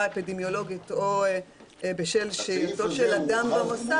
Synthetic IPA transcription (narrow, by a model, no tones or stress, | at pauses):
epid̪emjolo̞ɡit̪o | ebeʃelʃejtoʃelad̪ambamosa